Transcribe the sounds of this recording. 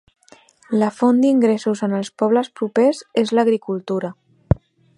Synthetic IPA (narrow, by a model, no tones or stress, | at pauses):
ləfond̪iŋɡɾesuzənəlˠspɔβ̞ləspɾupezezləɣɾikulˠt̪uɾə